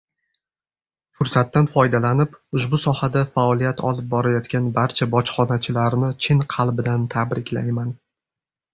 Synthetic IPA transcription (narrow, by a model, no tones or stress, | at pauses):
fʊɾsat̪ːanfɒjd̪alanɪpʊʃbʊsɒhad̪afaɒlˠijat̪ʰɒ̰lˠɪp̚bɒɾajɒt̪kʲanbaɾt͡ʃʰabɒt͡ʃχɒnat͡ʃʰɪlaɾnɪt͡ʃʰɪnqʰɑlˠbɪd̪ant̪ʰabɾɪkʲʰlajman